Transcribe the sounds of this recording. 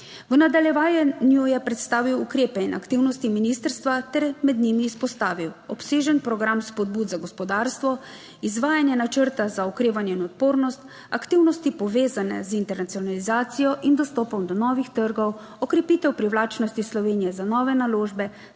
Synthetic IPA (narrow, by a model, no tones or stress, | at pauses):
ʋnad̪aljɛʋaːjɛnjujɛpɾɛt̪st̪aːʋiwukɾeːpɛinʔa̰kt̪iwnɔst̪iminist̪əɾst̪ʋat̪ɛɾmɛd̪nimiːspɔst̪aːʋiwɔpseːʒɛnpɾɔɡɾamspɔd̪̚buːd̪zaɡɔspɔd̪aːɾst̪ʋɔ | izʋaːjanjɛnat͡ʃəɾt̪azaɔkɾeːʋanjɛinɔt̪̚poːɾnɔst̪ | akt̪iwnɔst̪ipɔʋeːzanɛ̰zint̪ɛɾnat̪sijɔnalizaːt̪sijɔʔind̪ɔst̪ɔːpɔmd̪ɔnɔːʋixt̪əɾɡɔw | ɔkɾɛpiːt̪ɛwpɾiwlaːt͡ʃnɔst̪islɔʋeːnijɛzanɔːʋɛnaloːʒbɛ